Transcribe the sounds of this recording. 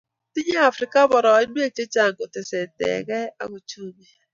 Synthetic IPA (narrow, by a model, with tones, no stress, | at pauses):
ti˦ɲe˦a˨fɾɪ˨ka˦bɔ˨ɾɔ˨˦i˦n˦e˦t͡ʃe˦t͡ʃa˨ŋ˨ɡo˨te˨sɛ˨tɛ̰˨ɣɛ˦a̰˨ɣo˦t͡ʃu˦mi˨